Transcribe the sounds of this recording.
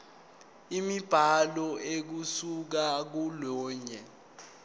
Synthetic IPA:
imib̥ʱalɔek̬usuk̬ak̬ulɔːɲɛ

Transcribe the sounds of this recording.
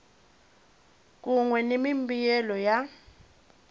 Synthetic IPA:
k̬ʼuŋwɛnemimbijɛlɔja

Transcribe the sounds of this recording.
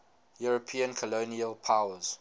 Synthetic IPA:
juɹɔpʰĩə̃nkʰɔloniəlpʰawəz̥

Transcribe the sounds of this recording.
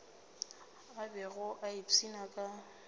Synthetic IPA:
abɛɣʊʔaipʰinakʼa

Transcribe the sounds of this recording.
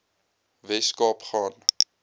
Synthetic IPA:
vɛskɑpχɑːn

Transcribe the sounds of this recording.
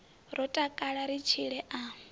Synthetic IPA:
rɔtʼakʼaɺaɾit͡ʃʰiɺɛʔa

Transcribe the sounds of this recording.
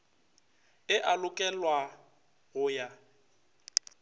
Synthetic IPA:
ɪʔalʊkʼɛlwa | ɣʊja

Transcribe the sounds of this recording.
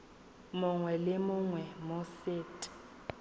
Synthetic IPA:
mʊŋwɛlɪmʊŋwɛmoseːtʼɪ̥

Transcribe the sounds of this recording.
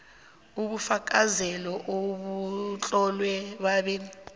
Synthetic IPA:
uɓufak̬ʼazɛlɔʔoɓut͡ɬʼɔlwɛɓaɓini

